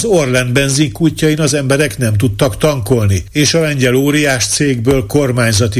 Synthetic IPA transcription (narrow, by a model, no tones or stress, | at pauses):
zorlɛnd̪bɛnziŋkuːcːɒjinɒzɛmbɛɾɛkn̪ɛmt̪ut̪ːɒkt̪ɒŋko̞lnieːʃɒlɛɲɟɛloːɾijaːʃt̪seːɡbøːlko̞rmaːɲzɒt̪i